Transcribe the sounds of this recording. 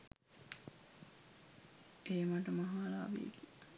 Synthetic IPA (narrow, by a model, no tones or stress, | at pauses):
eːmɐʈɐmɐɦaːlaːʋḭḛki̥